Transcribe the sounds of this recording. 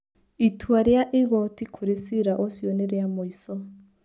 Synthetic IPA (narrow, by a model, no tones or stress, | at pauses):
itʰwaɾjaʔeɣɔtikʰoɾesiɾaʔosjɔneɾjamoisɔ